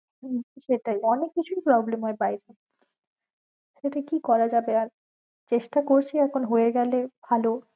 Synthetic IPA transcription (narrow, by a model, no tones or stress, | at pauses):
ʃeʈajɔnekːit͡ɕʰuipɾɔblemɦɔebajɾe | ʃeʈaikikɔɾad͡ʑabeaɾ | t͡ɕeʃʈakoɾt͡ɕʰiɛkʰonɦoeɡɛleb̥ʱalo